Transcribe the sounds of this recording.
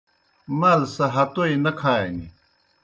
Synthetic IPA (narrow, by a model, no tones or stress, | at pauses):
mɐlsɐɦɐt̪oinɐkʰaːeŋi